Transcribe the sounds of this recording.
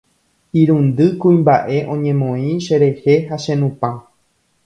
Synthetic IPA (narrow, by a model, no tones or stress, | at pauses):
iɾũnd̪ɨkuĩmbaʔe̞ʔõ̞ɲẽ̞mõĩʃe̞ɾe̞he̞ɦaʃẽ̞nũpã